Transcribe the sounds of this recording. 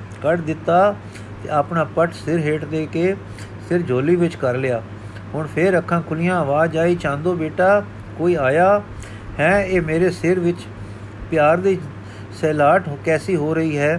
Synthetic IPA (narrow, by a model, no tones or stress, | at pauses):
kəʈd̪ɪt̪ːaː | t̪ḛaːpɳaːpəʈʰsɪɾɦeːʈd̪eːkeː | sɪɾd͡ʒʱoːliːʋɪt͡ʃkəɾlɪjaː | ɦʊɳpʰɪɾəkʰːãːkʰʊlɪjãːəʋaːd͡ʒaːiːt͡ʃãːnd̪õːbeːʈaː | koːiːaːjaː | hɛ̃ːeːmeːɾeːsɪɾʋɪt͡ʃ | pɪjaːɾd̪iː | sɛːlaːʈkɛːsiːɦoːɾəɦiːɦɛː